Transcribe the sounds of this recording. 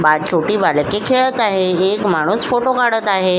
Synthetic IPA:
bad͡ʑt͡ɕʰoʈiːbalkekʰeɭət̪aɦeekmaɽ̃uːsfoʈokaɽət̪aɦe

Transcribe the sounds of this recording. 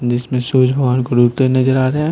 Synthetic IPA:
d͡ʒɪsmẽsuːd͡ʒbʱɐʋaːnkoɾukt̪einɐd͡ʒəɾaːɾeɦɛ̃

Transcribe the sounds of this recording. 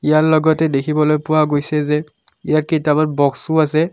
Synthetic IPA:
ijaɹlɔɡɔtɛdekʰibɔlojpʊwaɡojsɛzɛ | ijaɹkitamanbɔksuasɛ

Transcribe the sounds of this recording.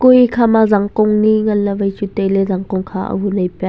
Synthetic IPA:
kujikʰamazaŋkʊŋniŋɐnːɐvɐjt͡ʃutejlɛzɐŋkʊŋkʰaʔə̰ɦunɐjpɛ

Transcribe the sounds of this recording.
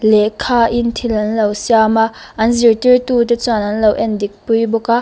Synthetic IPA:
lɛʔkʰaːʔɪnt̪ʰilɐnlowsjamaʔɐnzirtirtut̬ɛt͡swanɐnlowʔɛndik̚pujbɔkaʔ

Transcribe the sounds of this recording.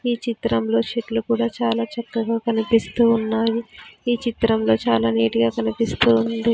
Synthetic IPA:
iːt͡ʃit̪ɾɐmlo̞ːʃeʈlukuːɽaːt͡ʃaːlaːt͡ʃɐkːɐɡaːkɐnipist̪uːnːaːjiiːt͡ʃit̪ɾɐmlo̞ːt͡ʃaːlaːniːʈuɡaːkɐnipist̪uːnd̪i

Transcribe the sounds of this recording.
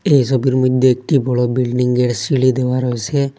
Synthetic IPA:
ejsɔbiɾmɔd̪ʱjoek̚ʈibʱɔɽɔbilɖiŋɡeɽsiɭid̪ewaɾɔɦesʰe

